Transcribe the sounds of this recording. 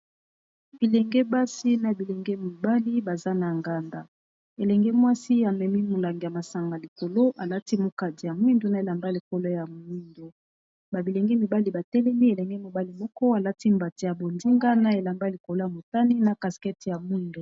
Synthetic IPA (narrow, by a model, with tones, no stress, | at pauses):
bi˨lɛ˨ŋɡɛ˦ba˦si˦na˨bi˨lɛ˨ŋɡɛ˦mi˨ba˦li˦ba˨za˦na˨ŋɡa˨nda˨ | e˨lɛ˨ŋɡɛ˦mwa˦si˦a˨mɛ˨mi˦mo˨la˨ŋɡja˨ma˨sa˨ŋɡa˨li˨ko˨lo˦ʔa˨la˦ti˦mo˨ka˨di˨ja˨mwi˦ndo˨˦na˦e˨la˨mba˦li˨ko˨lo˦ja˨m˨˦i˦ndo˨ | ba˨bi˨lɛ˨ŋɡɛ˦mi˨ba˦li˨ba˨tɛ˦lɛ˦mi˦e˨lɛ˨ŋɡɛ˦mo˨ba˦li˨mɔ˦kɔ˦a˨la˦ti˦mba˨ti˨ja˨bo˨ndi˦ŋɡa˦na˦e˨la˨mba˦li˨ko˨lo˦ja˨mo˨ta˦ni˦na˨ka˨skɛ˦ti˨ja˨mwu˦ndo˨